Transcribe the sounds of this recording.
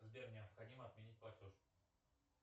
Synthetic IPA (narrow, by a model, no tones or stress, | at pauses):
zbʲernʲɪɐpxɐdʲiməɐt̪mʲenʲit̚ʲplˠɐtʲoʂ